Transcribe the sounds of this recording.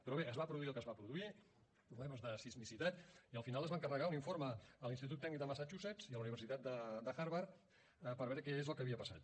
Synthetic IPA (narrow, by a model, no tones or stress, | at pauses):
pɾɔβeəzβapɾuðuiəlˠkəzβapɾuðui | pɾuβlɛməzðəsizmisit̪at̪iəlˠfinalˠəzβaŋkərəɣauniɱfoɾməːlinst̪it̪ut̪ːɛɡnik̚d̪əmasat͡ʃusɛt͡siəluniβ̞əɾsit̪at̪d̪əd̪əxaɾβaɾ | pəɾβɛɾəkɛezəlˠkəβiəpəsa̰t̪